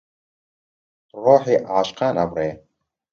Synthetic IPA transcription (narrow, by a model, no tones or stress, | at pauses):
roħiʔaʕaʃqʰana̰brej